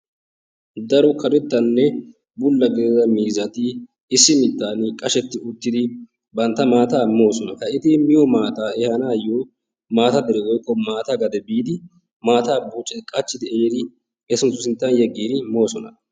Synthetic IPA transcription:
d̪ɐɾʊkʰɐd̪ɛt̪ːɐnːɛ | bʊlːɐɡeːzɐmiːzɐt̪ɪ | ɪsːɪmɪt̪ːaːnkʼɐʃɛt̪ːɪʊt̪ːɪd̪ɪ | bɐnt̪ːɐmaːt̪aːmo̞ːsɔnɐhɐɪt̪ɪmɪjɔmaːt̪aːɛhɐnaːjoː | maːt̪ɐd̪ɛɾɛwɔjkːɔmaːt̪ɐɡɐd̪ɛbiːd̪ɪ | maːt̪aːbuːt͡ʃʼːɛkʼɐt͡ʃːɪd̪ɪeːd̪ɪ | ɛsʊnt̪ːʊsɪnt̪ːɐnjɛɡːiːd̪ɪmo̞ːsɔnɐ

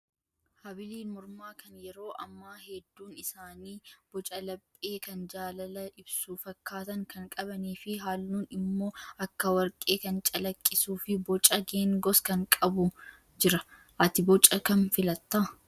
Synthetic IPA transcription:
hɐbɪliːnmʊɾmaːkɐnjɛɾo̞ːʔɐmːaːhɛd̪ːuːnɪsaːniːb̥ɔt͡ʃʼɐlɐpʼːeːkɐnd͡ʒaːlɐlɐʔɪbsuːfɐkːaːt̪ɐŋkɐŋkʼɐβɐniːfɪɦaːlnuːnɪmːo̞ːʔɐkːɐwɐɾkʼe̞ːkɐnt͡ʃʼɐlɐkʼːɪsuːfɪbɔt͡ʃʼɐɡeːŋɡɔskɐŋkʼɐbʊ | d͡ʒɪɾɐ | ʔɐt̪ɪbɔt͡ʃʼːɐkɐnfɪlɐt̪ːaː

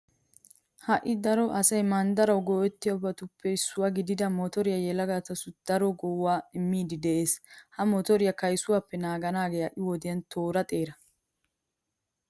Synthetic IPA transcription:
hɐʔɪd̪ɐɾɔʔɐsɐjmɐnd̪ɐɾɐwɡɔwɛt̪ːɪjɐbɐt̪ʊpːɛɪsːʊwaɡɪd̪ɪd̪ɐmɔt̪ɔɾɪjɐjɛlɐɡat̪ɐsʊd̪̥ɐɾɔɡɔwːaːɪmːiːd̪ɪd̪ɛʔe̞ːshɐmɔt̪ɔɾɪjɐkɐjsʊwaːpːɛnaːɡɐnaːɡeːɐʔɪwɔd̪ɪjɐnt̪ʰo̞ːɾɐt̪ʼe̞ːɾɐ

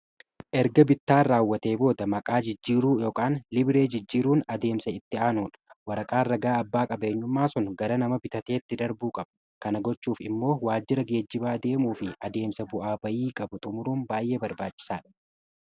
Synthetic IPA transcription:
ʔɛɾɡɐbɪt̪ːaːɾaːwːɐt̪e̞ːbo̞ːd̪ɐmɐkʼaːd͡ʒɪd͡ʒːiːɾuːjo̞ːkʼaːnlɪbɪɾe̞ːd͡ʒɪd͡ʒːiːɾuːnɐd̪e̞ːmsɐɪt̪ːɪaːnuːᶑɐ̥wɐɾɐkʼaːrɐɡaːɐbːaːkʼɐbeːɲːʊmːaːsɔnɡɐɾɐnɐmɐbɪt̪ɐt̪e̞ːt̪ːɪd̪ɐɾbuːkʼɐb̥ɐ | kɐnɐɡɔt͡ʃːuːfɪmːo̞ːwaːd͡ʒːɪɾɐɡe̞ːd͡ʒːɪbaːd̪e̞ːmuːfɪɐd̪e̞ːmsɐbʊʔaːbɐjiːkʼɐbʊt̪ʼʊmʊɾuːnbaːjʔe̞ːbɐɾbaːt͡ʃːɪ̥saːᶑɐ̥

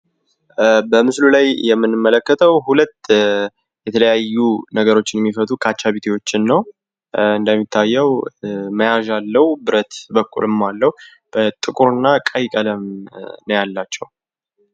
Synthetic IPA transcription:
bəmɨslulajjɛmːɨnːɨmːələkːət̪ʰəwhulət̪ː | jɛt̪ʰələjajːunəɡəɾo̞t͡ʃːɪnjɛmːifət̪ʼukʰat͡ʃːaβit̪ʰiwo̞t͡ʃːɪnːəw | ɨnd̪əmːit̪ʰːajːɛwməjaʒalːəhubɨɾət̪bəkʼːṵlɨmːalːəhu | b̥ət̪ʼɨkʼuɾɨnːakʼajkʼələmnəjalːat͡ʃːɛw

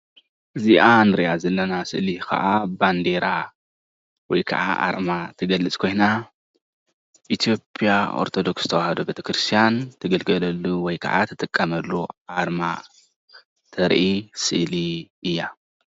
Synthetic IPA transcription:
ʔɨziʔanɨɾiʔazɐlːɐnasɨ̰ʔlikʰɐ̰ʔaband̪e̞ɾa | wɔjkʰɐ̰ʕa̰ʔa̰ɾmat̪ʰɨɡɐlɨt͡sʼkʰo̞jna | ʔit̪ʰijo̞pʼjaʔo̞̰ɾt̪ʰo̞d̪o̞kszɨ̥t̪ʰɐwahɐd̪obet̪ʰɐkɾɨst̪ʰijant̪ʰɐɡɐlɡɐlɐlːuwɔjkʰa̰ʕa̰t̪ʰɨt̪ʼɨkʼːɐmɐlːuʔaɾma | t̪ʰɐɾʔisɨʔliʔɨjːa

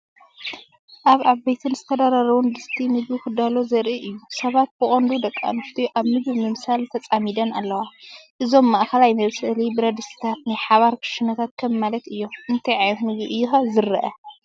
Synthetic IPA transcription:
ʔaβaβɐjt̪ʰɨnzɨt̪ʰɐd̪aɾaɾɐwund̪ɨst̪ʰimɨɡbukʰɨd̪alo̞zɐɾʔiʔɨjːusɐβat̪̚bɨkʼond̪ud̪ɐkʼːa̰nɨft̪ʰuʔaβnɨɡβmɨmɨsalt̪ʰɐt͡sʼamid̪ɐnalːɐwaʔɨzo̞mːaʔxɐlajmɐβsɨlibɨɾɐd̪ɨsi̥t̪ʰat̪najħaβaɾkʰɨ̥ʃɨnɐt̪ʰat̪̚kʰɐmːalɐt̪ɨjːo̞ʔɨnt̪ʰɐjʕajnot̪nɨɡiʔɨjːuxazɨɾɐʔɐ

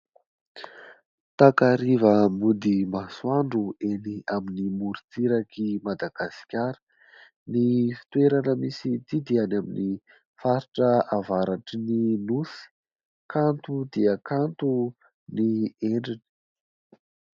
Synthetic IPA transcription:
t̪akaɾivəmud̪imaswaɳɖ͡ʐueniaminimuɾit͡siɾakimad̪aɡ̥asi̥kʲaɾə̥ | nifi̥t̪uweɾanəmisid̪id̪ianamini | faɾiʈ͡ʂəavaɾaʈ͡ʂininusi̥ | kant̪ud̪iəkant̪u | nieɳɖ͡ʐini̥

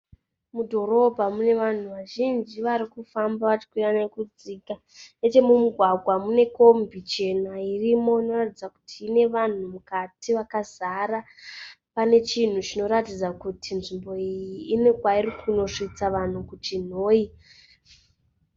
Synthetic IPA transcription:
mudʱo̞ro̞bʱamune̞ʋan̤uʋaʒind͡ʒiʋaɾikufambaʋat͡ʃi̥kwiranekud͡ziːka | ne̞t͡ʃe̞mumuɡʱwaɡʱwamune̞ko̞mbʱit͡ʃe̞nairimo̞ino̞ratid͡zaku̥tʰiːne̞ʋan̤umukatiʋakazaɾa | pane̞t͡ʃin̤ut͡ʃino̞ɾatid͡zakutʰinʐimbo̞ijiːne̞kwairikuno̞ʂit͡saʋan̤ukut͡ʃin̤o̞ːi

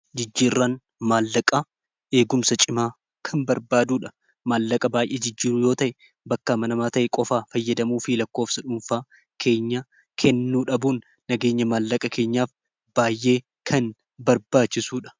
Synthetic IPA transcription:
d͡ʒɪd͡ʒːiːrːaːn | maːlːɐkʼɐ | e̞ːɡʊmsɐt͡ʃʼɪmaː | kʰɐnbɐɾbaːd̪uːᶑɐ̥ | maːlːɐkʼɐbaːjʔeːd͡ʒɪd͡ʒːiːɾʊjo̞ːt̪ɐʔɛ | bɐkːaːmɐnɐmaːt̪ɐʔɛkʼɔfaːfɐjːɐd̪ɐmuːfilɐkːoːfsɐᶑʊmfaː | kʰe̞ːɲːa | kʰɛnːuːᶑɐbuːnː | ɐɡe̞ːɲːɐmaːlːɐkʼɐkʰe̞ːɲːaːf | b̥aːjʔːe̞ː | kʰɐn | bɐɾbaːt͡ʃːɪsuːᶑɐ̥

